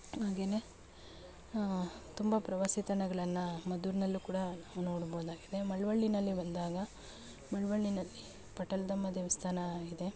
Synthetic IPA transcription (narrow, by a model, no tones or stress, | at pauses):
aːɡe̞ːne̞ | t̪umbɐpɾɐʋaːsit̪ɐɳɐɡɐɭɐnːɐmɐd̪uːɾnɐlːukuːɽɐnauno̞ːɽboːud̪aːɡid̪e̞mɐɭʋɐɭːinɐlːibɐnd̪aːɡɐ | mɐɭʋɐɭːinɐlːi | pɐʈɐld̪ɐmːɐd̪iʋist̪ʰaːnɐid̪e̞